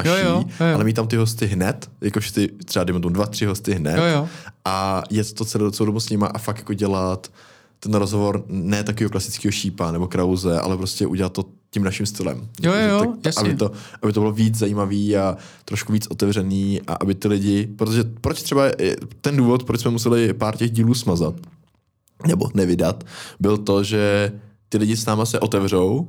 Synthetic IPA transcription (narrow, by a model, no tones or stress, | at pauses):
naʃiʔalɛmiːt̪̬t̪amt̪ɪɦos̬t̪ɪɦnɛt̪jakoʃɪ̥t̪ɪt̪r̥ɛbadɛjmɛt̪omudvat̪r̥ɪɦo̞st̪ɪɦnɛ̰t̪ʔajɛt̪t̪ːot͡sɛlot͡sɛlowd̪obusɲɪmaʔafaktjakoɟɛlat̪ː | ɛnɾozɦovoɾnɛːt̪akoviːɦoklasɪ̥t͡skiːɦoʃiːpanɛbo̞kɾawzɛʔa̰lɛpɾoscɛʔṵɟɛlat̪ːocɪmnaʃɪmst̪ɪlɛ̰m | sabɪt̪oʔabɪt̪obɪloviːt͡szajiːmaviːa | t̪ɾoʃkuviːt͡sʔot̪ɛvrɛniːʔa̰ʔabɪt̪ɪlɪɟɪpɾot̪oʒɛpɾot͡ʃt̪r̥ɛbaɛ̰t̪ɛnduːvot̪pɾot͡ʃsmɛmus̬ɛlɪpaːɾcɛɣɟiːluːsmazat̪ | nɛbo̰nɛvɪdat̪bɪlt̪o̞ʒɛt̪ɪlɪɟɪsnaːmasɛʔo̞t̪ɛvr̝ow